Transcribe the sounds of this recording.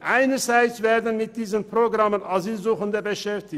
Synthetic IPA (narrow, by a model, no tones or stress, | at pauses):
ʔaɪnəzaɪt͡sveːdən̩mɪt̚d̥iːzənproɡʁamənaziːlzuːχəndəbəʃɛftɪç